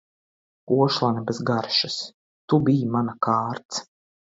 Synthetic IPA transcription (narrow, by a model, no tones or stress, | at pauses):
uɔʃlˠanɛbezɡaɾʃɨs | t̪ubijimanakaːɾt̪s